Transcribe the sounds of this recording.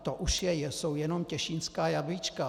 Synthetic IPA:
t̪oʔuʃjɛjɛsowjɛnomcɛʃinskaːjabit͡ʃka

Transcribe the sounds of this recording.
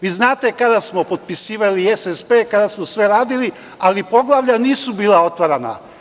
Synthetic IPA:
ʋiːznaːt̪ekad̪asmo̞po̞t̪̚pisiːʋaliesespeːkad̪asmosʋe̞ɾaːd̪ili | alipo̞ɡlˠaʋʎaniːsubiːlao̞t̪ʋaɾana̰

